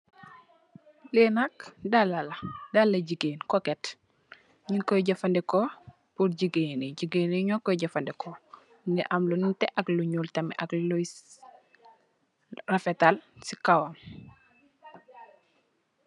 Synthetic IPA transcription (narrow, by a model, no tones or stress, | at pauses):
leːnakdalaladalːɐɟiɡeːnkɔkɛt | ɲinkɔjɟɐfandɛko | puɾɟiɡeneɟiɡeneɲɔkɔjɟɐfandɛkɔ | ndɛʔɐmlunintɛʔɐkluɲuːltɐmɛʔaklo | rafɛtalsikawam